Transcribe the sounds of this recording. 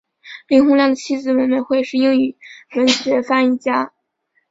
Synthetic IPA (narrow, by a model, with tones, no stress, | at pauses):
li˥˩ŋxʊ˥ŋljɑ˥˩ŋd̪ə˩t͡ɕʰi˥d͡zɹ̩˨˩wə˧˥nmə˧nxwe˥˧ɪʂɻ̩˥˧i˥ŋy˨˩wə˧˥nɕɥɛ˧˥fa˥ni˥˩t͡ɕja˥